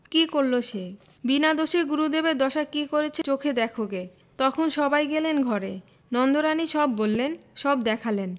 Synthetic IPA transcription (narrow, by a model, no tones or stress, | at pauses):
kikoɾloʃe | binad̪oʃeɡuɾud̪ebed̪ɔʃakikoɾet͡ɕʰet͡ɕokʰed̪ɛkʰoɡe | t̪ɔkʰonʃɔbajɡelenɡʱɔɾe | nɔnd̪oɾaniʃɔbːolːenʃɔbd̪ɛkʰalen